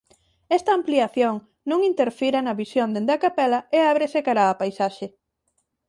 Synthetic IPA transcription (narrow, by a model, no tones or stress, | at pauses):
ɛst̪ɐːmpliaθjoŋ | nũŋint̪eɾfiɾɐnɐβisjond̪end̪ɐkapɛlɐeaβɾesekaɾaːpajsaʃe